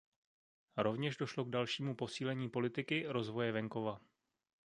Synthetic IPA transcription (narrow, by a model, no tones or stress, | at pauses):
ɾo̞vɲɛʃdo̞ʃlo̞ɡ̚dalʃiːmupo̞siːlɛɲiːpo̞lɪt̪ɪkɪɾo̞zvo̞jɛvɛŋko̞va